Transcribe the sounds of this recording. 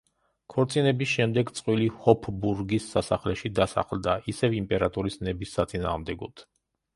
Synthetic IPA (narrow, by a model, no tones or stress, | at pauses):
kʰɔɾt̪sʼinɛbisʃɛmd̪ɛɡt̪sʼqʼwilihɔpʰbuɾɡisːasaχlɛʃid̪asa̰χld̪aʔisɛvimpʼɛɾat̪ʼuɾisnɛbisːat̪sʼina̰ːʁmd̪ɛɡɔt̪ʰ